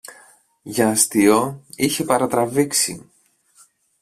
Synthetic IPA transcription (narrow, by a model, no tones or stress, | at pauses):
ʝɐːst̪ioiçe̞pɐɾɐt̪ɾɐviksḭ